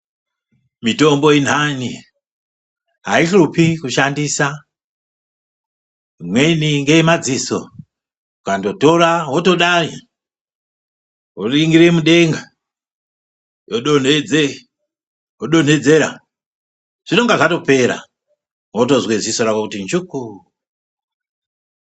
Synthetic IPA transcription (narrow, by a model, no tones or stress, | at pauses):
mito̞mbo̞in̤ani | ɦaiɬupikuʃandiːsa | mweniŋɡemad͡ziso̞̰ | ukando̞to̞ɾaɦoto̞ɗai | woriŋɡiɾemuɗe̞ŋɡa | joɗon̤ed͡ze | joɗo̞n̤e̞d͡zeɾa̰ | ʐ̥ino̞ŋɡaʐato̞pe̞ɾa̰ | wotozwezisoɾakokutint͡ʃuku